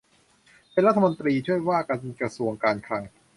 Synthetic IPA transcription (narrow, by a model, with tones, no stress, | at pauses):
pe˧nɾa˥t̪ʰːa˧mo˧nt̪ɾiː˧t͡ɕʰu˥˩əjwaː˥˩ka˧nkɾa˧su˧əŋkaː˧nkʰɾa˧ŋ